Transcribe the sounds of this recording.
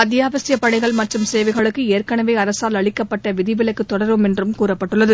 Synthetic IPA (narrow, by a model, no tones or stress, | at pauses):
ɐt̪̬ːɪjaːʋɐsɪjɐpːɐɽɐɪɣɐɭmɐʈrɯmseːʋɐɪɣɐɭɯkːɯeːrkɐɳɐʋeːɐɾɐsaːlɐɭɪkːɐpːɐʈːɐʋɪðɪʋɪlɐɪkːɯt̪ːɔɽɐɾʋɯmɛndrɯmkuːɾɐpːɐʈːɯɭːɐðɯ